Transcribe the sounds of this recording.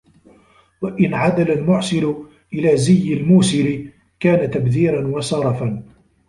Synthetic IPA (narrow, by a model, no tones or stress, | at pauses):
waʔɪnʕad̪alalmʊʕsɪlʊ | ʔɪlaːzɪjːɪlmuːsɪlɪ | kaːnat̪abðiːɾanwɑsˤɑɾˤɑfan